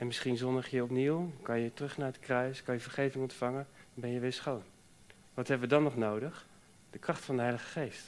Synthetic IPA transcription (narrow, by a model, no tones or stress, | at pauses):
ɛnmɪsχinzɔndəχjəɔpniwkɑnjətrɵχnaːɹətkrœɥskɑnjəvəɹχejvɪŋɔntfɑŋənbɛnjəʋɪːɹsχown | ʋɑtɦɛbəʋədɑnɔχnowdəχ | d̥əkrɑχtfɑndəɦɛjləχə̥χejst